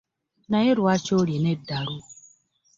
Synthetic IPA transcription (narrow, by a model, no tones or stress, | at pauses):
naɪɾʊat͡ʃoɾjenedaɾʊ